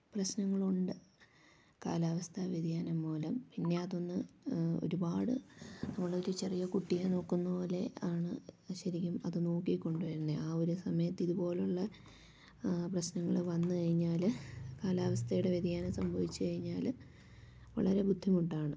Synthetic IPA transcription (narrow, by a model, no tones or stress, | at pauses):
prɐɕnɐŋːɐɭuɳɖɨ | ka̰ːlaːʋɐst̪ʰɐʋid̪ʱijaːnɐmːoːlɐmpinːe̞ɐðo̞nːɨo̞̰ɾubaːɽɨnɐmːɐɭɽeo̞ɾut͡ɕe̞rijɐkuʈːijano̞ːkːunːɐpo̞ːle̞aːɳɨɕɐɾikʲːumɐðɨno̞ːkːikʲːo̞ɳɖuʋɐɾunːeaːo̞ɾusɐmɐjɐt̪ːiðubo̞ːluɭːɐ | prɐɕnɐŋːɐɭɨʋɐnːɨkɐɻiɲːaːlkaːlaːʋɐst̪ʰɐjuɽe̞ʋid̪ijaːnɐsɐmbʱɐʋit͡ɕːɨkɐɻiɲːaːl | ʋɐ̰ɭɐɾe̞bud̪ʱːimuʈːaːɳɨ